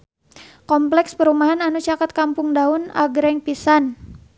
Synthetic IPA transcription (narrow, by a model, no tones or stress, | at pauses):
kɔmplɛkspəɾumaɦananut͡ʃakat̪̚kampʊŋdaʊna̰ɡɾɛŋpisan